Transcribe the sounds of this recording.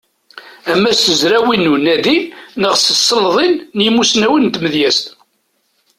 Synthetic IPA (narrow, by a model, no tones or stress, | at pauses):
æmːæst̪əzɾæwinːunæðinəʁsəsːəlðˤinːjəmːusnæwənt̪məðjæst̪